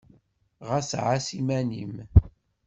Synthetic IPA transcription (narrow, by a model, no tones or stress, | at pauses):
ʁasʕasimænḭm